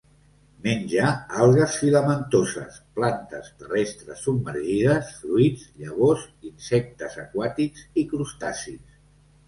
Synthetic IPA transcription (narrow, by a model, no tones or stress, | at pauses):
menʲʒaalˠɣəsfiləmənt̪ozə̰splant̪ə̰st̪ərɛst̪ɾə̰sːubməɾʒiðəsfɾuid͡zʎəβ̞ozinsɛk̚t̪əzəkwat̪ikzikɾust̪a̰sis